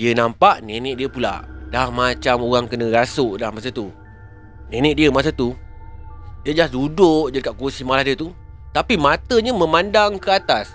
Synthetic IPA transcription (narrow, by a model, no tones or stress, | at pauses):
diənampaʔnenɪ̃ʔ̪̚diəpula̰ʔdahmat͡ʃamoɣaŋkənə̃ɡasʊʔdahmasat̪u | nenɪ̃tʔ̚diəmasat̪u | diəd͡ʒasdudʊʔd͡ʒadəkaʔ̚kursimalahdiət̪ut̪apimat̪əɲamə̃mandaŋkəat̪as